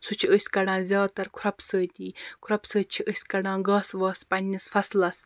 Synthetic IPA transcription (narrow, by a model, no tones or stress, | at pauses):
sut͡ʃʰiəsʲkɐɽãːzʲjaːt̪ɐɾkʰʊɾɐpsəːt̪ʲiːkʰɾɐpsəːt͡ʃʰiʔəsʲkɐɽãːɡaːsʋaːspɐnʲːisfɐslɐs